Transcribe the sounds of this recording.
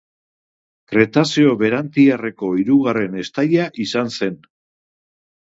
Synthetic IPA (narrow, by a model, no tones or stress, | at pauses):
kɾe̞t̪asio̞βe̞ɾant̪iare̞ko̞iɾuɣare̞ne̞st̪aʎaʔisanse̞n